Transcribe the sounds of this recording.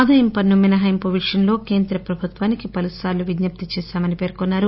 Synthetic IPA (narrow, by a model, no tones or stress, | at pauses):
d̪ʱɐjɐmpɐnːumːinɐɦɐjmpoʋiʂjɐnlo̞ːke̞ːnd̪ɾɐpɾɐbʱut̪ʋaːnikipɐlusaːluʋid̪nɐp̚t̪it͡ʃeːʃaːmɐnipe̞ːɾkonːaːɾu